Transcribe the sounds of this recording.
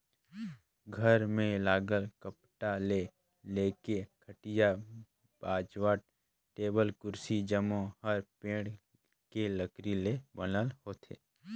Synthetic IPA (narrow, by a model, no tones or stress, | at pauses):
ɡʱəɾmẽlaːɡəlkəpʈale | leːkekʰəʈɪja | b̥aːd͡ʒwaːɾ | ʈeːbəlkʊɾsid͡ʒəmõhəɾpẽːɽ | keləkɾilebənəlhoːt̪ʰḛː